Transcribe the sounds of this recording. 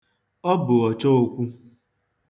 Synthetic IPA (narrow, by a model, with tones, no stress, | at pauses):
ɔ˦bʊ˨ɔ˨t͡ʃɔ˦o˦kʷu˦